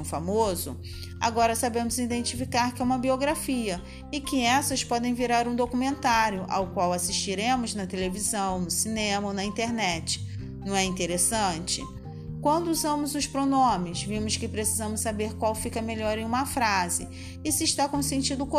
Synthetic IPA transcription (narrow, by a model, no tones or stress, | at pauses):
famozʊ̰ | a̰ɡɔɾɐsabẽmʊzid̪ẽnt͡ʃifikaɾkɪɛũmɐbioɡɾafiɐ | ɪkɪɛsɐspɔd̪ẽj̃viɾaɾũd̪okumẽnt̪aɾjʊʔa̰wkwawasiʃt͡ʃiɾẽmʊznɐt̪elevizɐ̃w̃nʊsinẽmɐonɐĩt̪eɾnɛt͡ʃɪ̥ | nɐ̃w̃ɛĩnt̪eɾesɐ̃t͡ʃɪ̰ | kwɐ̃nd̪ʊuzɐ̃mʊzʊspɾonõmɪzvĩmʊskɪpɾesizɐ̃mʊssabeɾkwawfikɐmeʎɔɾẽj̃ũmɐfɾazɪ̰ | ɪsɪiʃt̪akõʊsẽnt͡ʃid̪ʊk